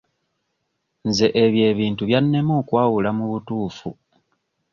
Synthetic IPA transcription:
nze̞ʔeβje̞ːβiːntuβjanːe̞moːkwaːwulamuβutuːfṵ

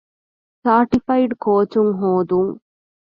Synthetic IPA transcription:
saːɾʈifɐjɖkoːt͡ʃumɦoːd̪um

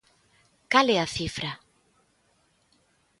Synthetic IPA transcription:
kalɛaθifɾa

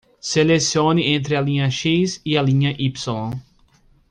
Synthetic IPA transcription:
selesiõnɪʔẽnt̪ɾɪɐlĩɲɐʃiziɐlĩɲɐʔipsilõ

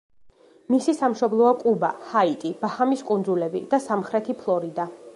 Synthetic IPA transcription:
misisamʃɔblˠɔakʼubahait̪ʼib̥ahamiskʼund̪zulɛbḭd̪̥asamχɾɛt̪ʰipʰlˠɔɾid̪a

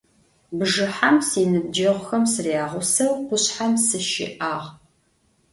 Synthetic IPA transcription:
bʒɨħamsiːnɨd͡ʒɐʁʷʊxɐmsɨriaːʁʷʊsɐwqʷʊɕħamsɨʃɪ̰ʔaːʁ

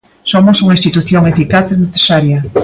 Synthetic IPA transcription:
somosuŋaĩst̪it̪uθjoŋefikaθeneθe̥saɾjɐ

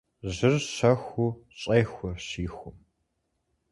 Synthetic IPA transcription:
ʑɨrɕɐxʷuːɕʼɐːxʷʊɕiːxʷʊm

